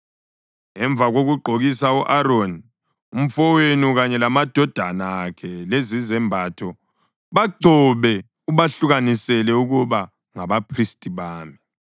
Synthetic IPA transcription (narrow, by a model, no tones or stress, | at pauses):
ŋɛɱb̪vʱaɣoɣuɡ͡ǃʱoɣisauʔaɾoni | um̩fɔwenuɣaɲɛlamad̥ʱɔd̥ʱa̰naːkʰɛlezizɛmbʱatʰɔ | βaɡ͡ǀʱɔβɛ | uβaɬuɣanisɛlɛuɣuβa | ŋaβapʰristʼiβaːmi